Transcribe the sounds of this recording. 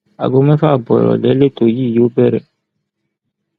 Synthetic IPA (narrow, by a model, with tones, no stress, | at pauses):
a̰˨ɡo˧mɛ̃˦fa˦˨bɔ˨ɛ̰˨ɾɔ̰˨lɛ˨˦le˦to˨ji˦˨jo˦bɛ˦ɾɛ̰˨